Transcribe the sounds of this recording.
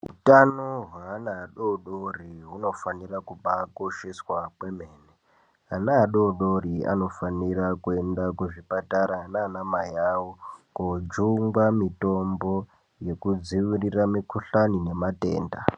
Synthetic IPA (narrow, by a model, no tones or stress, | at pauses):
ṵtanoɦwaanaːɗoɗoriɦuno̞fanirakubakoʃeswakwemeːne | ɦanaːɗoɗoɾia̰no̞fanirakue̞ndakuʐipataɾananamajawokod͡ʒuŋɡwamito̞mbo̞ | je̞kud͡ziʋiriramikuɬanine̞mate̞̰ːnda